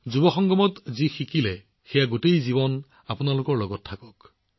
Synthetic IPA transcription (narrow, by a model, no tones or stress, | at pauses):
zubɔxɔŋɡɔmɔtzixikilɛ | xejaɡotejziβɔn | apunalʊkɔɹlɔɡɔtʰːakɔk